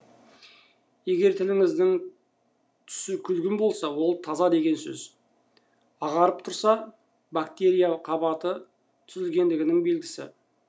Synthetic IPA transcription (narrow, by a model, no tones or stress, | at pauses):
je̞ɡʲe̞ɾt̪ʰɪlɪŋɪzd̪ɪŋ | t̪ʰʏ̥sɪkʲʰʏlɡʲɪmbo̞lˠsɑwo̞lˠt̪ʰɑzɑd̪e̞ɡʲe̞nsɵ̰z | ɑʁɑɾəp̚t̪ʰʊɾsɑ | bakt̪e̞ɾʲijaqʰɑbɑt̪ə | t̪ʰʏzɪlɡʲe̞nd̪ɪɡʲɪnɪŋbe̞lɡʲɪsɪ̰